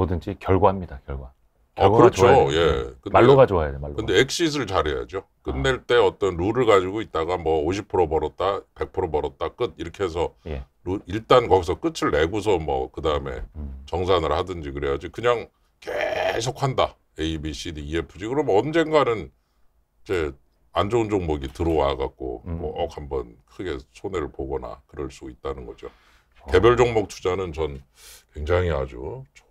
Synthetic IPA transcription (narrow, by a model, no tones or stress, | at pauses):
odɯnd͡ʑikjʌɭɡwaɦamɲidakjʌɭɡa | akɯɾʌt͡ɕʰoje̞kɯnːoɡad͡ʑoajadkɯndeek̚ɕ͈is̬ʰɯɭt͡ɕaɾɦe̞ja̰d͡ʑio | k͈ɯnːe̞ɭt͈e̞ʌt͈ʌnɾuɾɯɭɡad͡ʑiɡoit̚t͈aɡamwʌoɕʰipʰɯɾobʌɾʌt̚t͈ape̞k̚pʰɯɾobʌɾʌt̚t͈ak͈ɯd̚iɾʌkʰe̞ɦes̬ʰʌje | ɾuiɭt͈ankʌɡis̬ʰʌk͈ɯt͡ɕʰɯɭːe̞ɡus̬ʰʌmwʌ̰kɯdaɯme̞̰t͡ɕʌŋs̬ʰanɯɭhadɯnd͡ʑikɯɾe̞jad͡ʑikɯɲaŋ | kesʰokʰhanda | eibiɕʰidiiepʰɯd͡ʑiɡɯɾʌmʌnd͡ʑe̞nɡwanɯn | id͡ʑe̞ | and͡ʑound͡ʑoŋmoɡitɯɾowaɡak̚k͈o̰mʌʔʌkhambʌnkʰɯɡe̞sʰoneɾɯɭpoɡʌna̰kɯɾʌɭs͈uit̚t͈anɯnɡʌd͡ʑo | ke̞bjʌɭd͡ʑoŋmok̚t͡ɕʰud͡ʑanɯnt͡ɕʌn | kwe̞ŋd͡ʑaŋia̰d͡ʑu